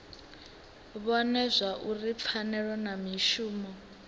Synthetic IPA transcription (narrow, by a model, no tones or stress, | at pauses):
βɔnɛzʷaʔurip̪fʰanɛɺɔnamiʃuːmɔ